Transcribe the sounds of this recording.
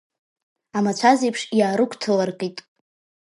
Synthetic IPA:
amat͡ɕʷʰazejpʰʂjaːɾɨkʷʰʼtʰɨlarqʼitʼ

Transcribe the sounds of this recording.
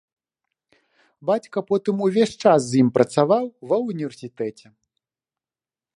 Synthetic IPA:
bat͡sʲkɐpɔt̪ɨmuvʲeʂt͡ʂas̬ːjimpɾɐt̪savawvɐunʲivʲɛrsʲit̪ɛt͡sʲɛ

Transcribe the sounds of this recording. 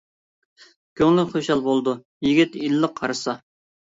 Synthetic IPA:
kʲʰøŋlɪχøʃɑlˠbolˠd̪u | jiɡʲit̪ilːəqʰːɑɾɨsɑ

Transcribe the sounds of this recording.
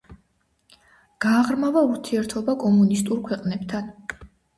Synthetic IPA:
ɡ̥aːʁɾmavauɾt̪ʰiɛɾt̪ʰɔbakʼɔmunist̪ʼuɾkʰwɛqʼnɛpt̪ʰan

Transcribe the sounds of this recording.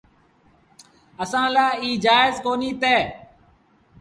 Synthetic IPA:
əsãːlaːiːd͡ʒaːɪzkoːniːt̪eː

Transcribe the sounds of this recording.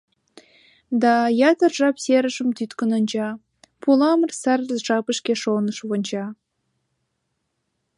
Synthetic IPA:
d̪ɑjɑt̪ə̆rʒɑpsʲeɾəʒə̆mt̪yt̪kə̆nə̆nd͡ʑɑ | pʰulˠɑmə̆rsærəzʒɑpəʃkʲeʃonəʃβond͡ʑɑ

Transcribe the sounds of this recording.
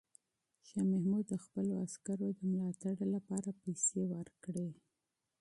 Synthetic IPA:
ʃɑmahmud̪ːəxpəloaskaɾod̪əmlɑt̪aɽlapɑɾapajsewəɾkɽe

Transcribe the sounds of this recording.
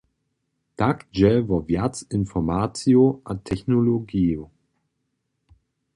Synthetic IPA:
d̥akd͡ʒɛvɔvjatsɪnfɔmat͡sjoʔatʰːɛçnoloɡiːo

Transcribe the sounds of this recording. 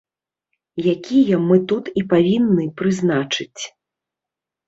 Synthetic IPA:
jakʲijɐmɨt̪ut̪ipavʲinːɨpɾɨznat͡ʂɨt͡sʲ

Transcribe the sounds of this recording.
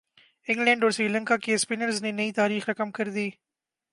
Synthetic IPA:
ɪ̃ŋɡlɛ̃ːɳɖɔːɾsɾiːlɛ̃ŋkakespɪnəɾznenɐit̪aːɾiːxɾɐkəmkɐɾd̪iː

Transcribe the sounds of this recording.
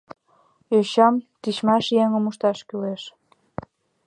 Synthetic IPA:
øɕɑmt̪it͡ɕmɑʃjeŋəmuʃt̪ɑʃkyleʃ

